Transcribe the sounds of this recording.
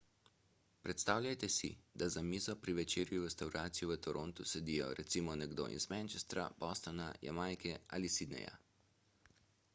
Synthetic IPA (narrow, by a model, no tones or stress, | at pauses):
pɾɛt̪st̪aːwʎʲajt̪ɛsḭd̪azamiːzɔpɾiʋɛt͡ʃeːɾjuɾɛst̪awɾaːt̪sijɔʋət̪ɔɾʔont̪usɛd̪ijɔ̰ɾɛt̪simɔnɛɡd̪o̰ːʔḭzmɛ̃nt͡ʃɛst̪ɾa̰bɔst̪ɔnaja̰majkɛalisid̪nɛ̰ja̰